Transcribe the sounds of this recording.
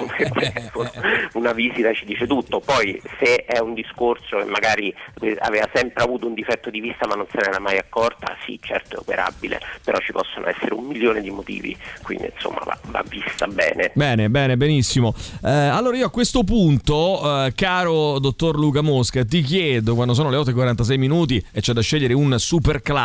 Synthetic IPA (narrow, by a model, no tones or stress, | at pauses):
et̪ɛounaviːzit̪at͡ʃid̪iːt͡ʃet̪ut̪ːopɔjseɛund̪iskorsokḛmːaɡaːɾikea̰veːvasɛmpɾeavuːt̪ound̪ifɛt̪ːod̪ivist̪amanːonsenɛɾamajakːɔrt̪a̰sḭt͡ʃɛ̰rt̪oɛopeɾʔa̰bilḛpeɾɔt͡ʃːipɔsːonʔo̰ɛ̰sːeɾeumːiljoːned̪imot̪ḭːvḭkwind̪inso̰mːa̰va̰va̰vːist̪abɛ̰ːnebɛːnebɛːnebenisːimoalːoːɾaioakːwest̪op̬unt̪okaːɾod̪ot̪ːorluːkamoskat̪̬ik̬jɛːd̪okwand̪os̬oːnoleɔt̪ːoekwaɾant̪as̬ɛjminuːt̪̬iet͡ʃːɛd̪ːaʃːɛʎːeɾeunsuperkla